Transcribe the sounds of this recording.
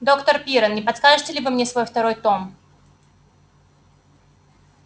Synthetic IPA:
d̪o̞kt̪ərpʲiɾənnʲɪpɐt̪skaʐɨtʲɪlʲɪvɨmnʲesvo̞jft̪ɐɾo̞jt̪o̞m

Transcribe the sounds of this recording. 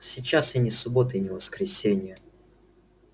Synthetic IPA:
sʲɪt͡ɕːasɪnʲɪsʊbo̞t̪ɨɪnʲɪvəskɾʲɪsʲenʲɪjə

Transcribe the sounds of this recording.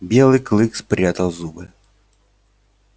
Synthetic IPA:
bʲɛlˠɨklˠɨkspɾʲat̪ɐwzubɨ

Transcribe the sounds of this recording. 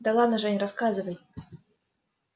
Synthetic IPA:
d̪alˠanaʐɛnʲraskazɨvɐj

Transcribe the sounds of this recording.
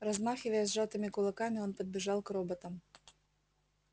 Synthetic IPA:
rɐzmaxʲɪvɐjɛsʲʐat̪ɪmʲɪkʊlˠɐkamʲɪɔnpɐd̪̚bʲɪʐɑlˠkrɔbɐt̪ɐm

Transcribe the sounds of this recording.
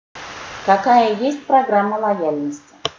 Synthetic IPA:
kɐkajəjesʲt̚ʲpɾɐɡɾamːəlˠɐjalʲnəsʲtʲɪ̥

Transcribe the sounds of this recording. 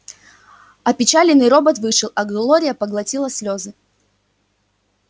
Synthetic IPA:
ɐpʲɪt͡ɕalʲɪnːɨjɾo̞bət̪vɨʂɨlˠɐɡlˠoɾʲɪjəpəɡlˠɐtʲilˠəsʲlʲozɨ

